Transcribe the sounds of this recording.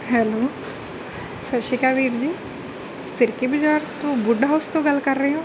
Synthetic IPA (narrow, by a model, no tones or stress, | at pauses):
ɦɛːloː | səʃɪkaːʋiːɾd͡ʒiː | sɪɾkebɪd͡ʒaːɾt̪õːbʊɖɦaʊst̪õːɡəlkəɾːəɦeɦõː